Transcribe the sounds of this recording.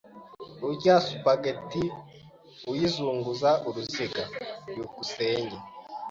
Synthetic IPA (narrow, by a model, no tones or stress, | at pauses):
uɟaːsu̥paɡeti | ujizuːŋɡuzaʔuɾuziɡaɾjukuseːɲɟe